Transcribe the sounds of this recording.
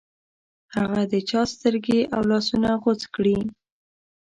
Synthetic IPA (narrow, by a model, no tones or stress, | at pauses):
haɣad̪ət͡ʃɑst̪əɾɡeʔawlɑsunaɣot͡skɽi